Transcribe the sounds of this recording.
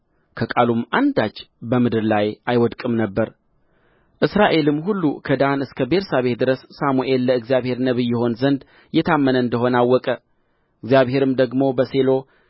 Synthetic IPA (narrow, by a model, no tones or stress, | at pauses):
kʰəkʼalumːand̪at͡ʃːbəmɨd̪ɨɾlajʔajwɔd̪kʼɨmnəbːəɾ | ʔɨsɾaʔe̞lɨmɦulːukʰəd̪anɨskʰəbe̞ɾsaβe̞t̪̚d̪ɨɾəsːamuʔe̞lːəɨɡzijaβhe̞ɾnəβɨjːɛho̞nzənd̪ | jɛt̪ʰamːənəɨnd̪əɦo̞nawːɔkʼə | ɨɡzjaβhe̞ɾɨmd̪əɡmo̞bəse̞lo̞